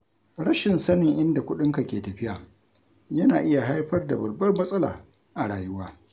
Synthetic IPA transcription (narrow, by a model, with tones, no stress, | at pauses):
ɽɐ˦ʃɪ˨nsɐ˦nɪ˨ŋʔɪ˦nda˨kʷʊ˦ɗɪ˦ŋka˨kʲeː˨tɐ˨ɸɪ˦ja˨ | jɐ˦naː˨ʔɪ˦ja˨ɦa˦jɸɐ˦rda˨bɐ˨rbɐ˦rmɐ˦sʼɐ˦la̰ː˨ | ʔa˨ɽaː˨jʊ˦waː˦